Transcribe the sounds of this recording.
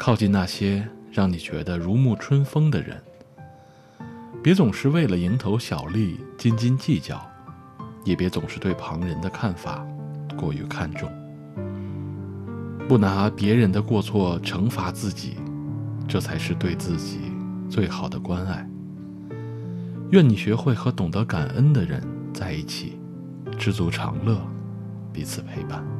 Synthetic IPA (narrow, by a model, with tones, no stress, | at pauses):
kʰɑ˥˧ʊt͡ɕi˥˧na˥˩ɕjɛ˥ɻɑ˥˩ŋni˨˩t͡ɕɥɛ̰˧˥d̪ə˧ɻu˧˥mu˥˩ʈ͡ʂʰwə˥nfɤ˥ŋd̪ə̰˨ɻə̰˧˥n | pjɛ˧˥t͡sʊ˨˩ŋʂɻ̩˥˧we˥˩ɪlə˩i˧˥ŋt̪ʰo˧˥ʊɕjɑ˨˩ʊli˥˩t͡ɕi˥nt͡ɕi˥nt͡ɕi˥˩t͡ɕjɑ̰˨˩˦ʊ | jɛ˨˩pjɛ˧˥t͡sʊ˨˩ŋʂɻ̩˥˧t̪we˥˩ɪpʰɑ˧˥ŋɻə˧˥nd̪ə˧kʰa˥˩nfa̰˨˩kwɔ˥˩y̰˧˥kʰa˥˧nʈ͡ʂʊ˥˩ŋ | pu˥˩na˧˥pjɛ˧˥ɻə˧˥nd̪ə˧kwɔ˥˧t͡sʰwɔ˥˩ʈ͡ʂʰɤ˧˥ŋfa˧˥t͡sɹ̩˥˩t͡ɕḭ˨˩ʈ͡ʂɤ˥˩t͡sʰa˧˥ɪʂɻ̩˥˧t̪we˥˧ɪt͡sɹ̩˥˩t͡ɕḭ˨˩t͡swe˥˩ɪxɑ˨˩ʊd̪ə˦kwa˥na˥˩ɪ | ɥɛ˥˩ni˨˩ɕɥɛ˧˥xwe˥˩ɪxɤ˧˥t̪ʊ˨˩ŋt̪ɤ˧˥ka˨˩nʔə˥nd̪ə˨ɻə̰˧˥n | t͡sa˥˧ɪi˥˩t͡ɕʰḭ˨˩˦ | ʈ͡ʂɻ̩˥˩t͡su˧˥ʈ͡ʂʰɑ̰˧˥ŋlɤ˥˩ | pi˧˥t͡sʰɹ̩˨˩pʰe˧˥ɪpa˥˩n